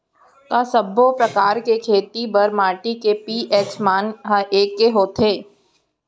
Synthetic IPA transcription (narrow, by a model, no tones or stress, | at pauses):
kasəbʱːopɾɐkaːɾkekʰeːt̪ibɐɾmaːʈikepiːʔɛːsmaːnɦəʔeːkːeɦoːt̪ʰeː